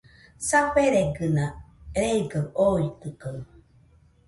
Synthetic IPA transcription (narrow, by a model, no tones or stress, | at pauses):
sapeɾeɡɯnaɾeiɡəoit̪ɯkə